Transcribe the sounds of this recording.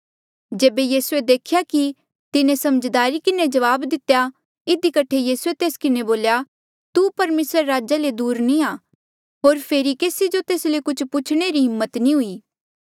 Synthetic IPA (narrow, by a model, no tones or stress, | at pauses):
d͡ʒeːbejiːsued̪eːkʰjaki | t̪ɪnẽsɐməd͡ʒd̪aːɾikɪned͡ʒɐʋaːbd̪ɪt̪ja | ɪd̪ikɐʈʰejiːsuet̪eːskɪneboːlja | t̪upɐɾmeːsɾeɾaːd͡ʒaled̪uːɾnĩaː | ɦoːɾpʰeːɾikeːsid͡ʒot̪eːslekʊt͡ʃʰpʊt͡ʃʰɽ̃eɾiɦɪmːət̪nĩɦʊiː